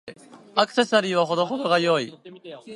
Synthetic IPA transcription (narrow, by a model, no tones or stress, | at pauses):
akɯ̟̥se̞saɾʲiːβaɦo̞d̪o̞ɦod̪o̞ɡajo̞i